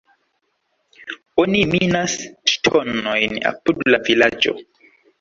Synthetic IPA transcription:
oniminasstʰɔnojna̰pudlavilad͡ʒo̰

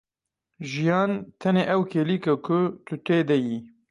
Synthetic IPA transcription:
ʒijɑːnt̪ʰɛneːʔɛwkʰeːliːkɐkʰʊt̪ʰʊt̪ʰeːd̪ɛjiː

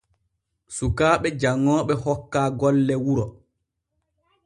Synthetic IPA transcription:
sukaːɓɛd͡ʒaŋːɔːɓɛhɔkːaːɡɔlːɛwuɾɔ

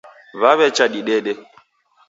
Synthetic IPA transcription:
βaβɛt͡ʃaɗiɗɛɗɛ

